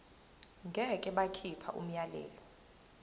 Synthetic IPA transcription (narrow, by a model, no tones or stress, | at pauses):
ŋɡʱɛkʼɛɓakʰipʰa̰ʔum̩jalɛ̰ːlɔ